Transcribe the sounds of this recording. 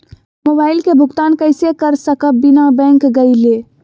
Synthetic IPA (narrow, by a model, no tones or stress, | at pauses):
mobaːɪlkebʱʊɡt̪aːnkəɪsekəɾsəkəbɪnabɛ̃ːŋkɡɐileː